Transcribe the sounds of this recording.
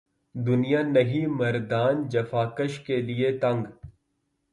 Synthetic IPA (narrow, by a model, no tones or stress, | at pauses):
d̪ʊnijanɐɦimɐɾd̪aːnd͡ʒɐfaːkəʃkeliet̪ɐ̃ŋɡ